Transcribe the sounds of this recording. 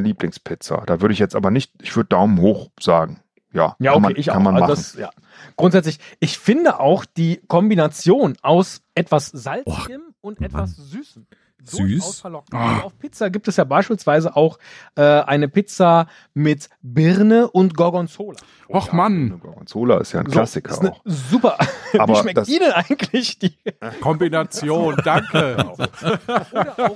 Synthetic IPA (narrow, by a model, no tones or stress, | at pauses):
liːplɪŋspʰɪt͡sa̰d̥aːvʏɐɾəɪçjɛt͡stʔaːbɐnɪçt̚ʔɪçv̥ʏɐdəd̥aʊmənhoːxz̥a̰ːɡŋ̩ | ja̰ːjaːonmaeːɪçʔaanmanʔalzmadasja̰ː | ɡ̥ʁʊntz̥ɛt͡slɪçʔɪçfɪndəʔaʊxd̥iːkʰɔmbinat͡sjoːnʔaʊsʔɛtv̥asz̥alt͡sɪɡəm | ʊntʔɛtv̥asz̥yːsəm̩ | zosaʊfɛɐlɔk̚n̩aʊfpʰɪt͡saɡiːp̚tɛsjaːbaɪʃpiːlsv̥aɪzəʔaʊxʔɛːʔaɪnəpɪt͡sa | mɪtbɪʁnəʔʊntɡ̥ɔɐɡɔnt͡soːla̰ | aχmannəɡɔ̰ɐɡɔ̰nt͡soːla̰ɪ̰stja̰ɪnzkasɪkʰɐ̰ʔnʊxzuːpɐaːvbiɐʃmɛkdasiːnənʔaɪɡŋ̩tʰlɪçd̥iːkʰɔmbinat͡sjoːnd̥aŋkəzoː | dəʊ